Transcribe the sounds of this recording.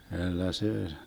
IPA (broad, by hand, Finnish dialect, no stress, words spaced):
kylːæ seː